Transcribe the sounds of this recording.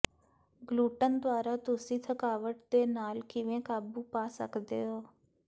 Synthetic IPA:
ɡluːʈənd̪ʊaːɾaːt̪ʊsĩːt̪ʰəkaːʋəʈd̪eːnaːlkɪʋẽːkaːbuːpaːsə̰kd̪ḛːɦoː

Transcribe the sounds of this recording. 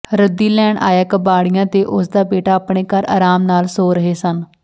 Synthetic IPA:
ɾəd̪iːlɛːɳʔa̰ːjəkəbaːɽijãːt̪eːʔʊsd̪aːbeːʈaːpɳeːkəɾa̰ːɾaːmnaːlsoːɾəɦeːsən

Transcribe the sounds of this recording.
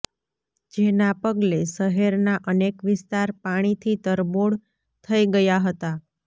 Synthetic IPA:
d͡ʒenapəɡleʃəɦeɾnaʔənekʋɪst̪aɾpaɽ̃it̪ʰit̪əɾboɽ | t̪ʰəiɡəjaɦət̪a

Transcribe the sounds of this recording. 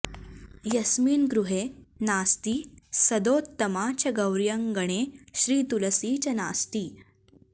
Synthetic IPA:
jɐsmiːnɡɾuɦenaːst̪iːsɐd̪oːt̪ːɐmaːt͡ɕɐɡɐwɾjɐŋɡəɽ̃eɕɾiːt̪ulɐsiːt͡ɕɐna̰ːst̪iː

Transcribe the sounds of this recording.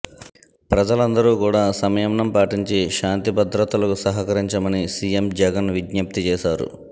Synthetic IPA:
pɾɐd͡ʒɐlɐnd̪ɐɾuːkuːɽaːsɐmɛjːmɳɐmpaːʈiɲt͡ʃiʃaːnt̪ibɐd̪ɾɐt̪ːɐlɐkusɐɦɐkɐɾiɲt͡ʃɐmɐnisijemd͡ʒɛɡɐnʋiɡɲɐp̚t̪it͡ʃɛːʃaːɾṵ

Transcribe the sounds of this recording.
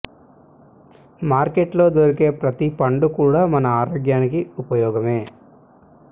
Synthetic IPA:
maːɾkeʈlo̞ːd̪oɾike̞ːpɾɐt̪ipɐɳɖukuːɽaːmɐnɐaːɾoːɡjaːnikiupɐjɔːɡɐme̞ː

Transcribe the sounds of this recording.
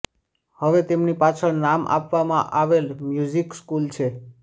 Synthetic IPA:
həʋet̪emnipat͡ʃʰənamʔa̰pʋamã̰ʔaʋelmjuzikskult͡ʃʰe

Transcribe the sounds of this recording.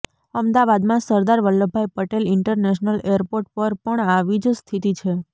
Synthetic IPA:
əmd̪aʋad̪mãsəɾd̪aɾʋəlːobʱajpəʈelɪɳʈəɾneʃnəleɾpoɾʈ̚pəɾpəɳaʋid͡ʒst̪ʰit̪it͡ʃʰe

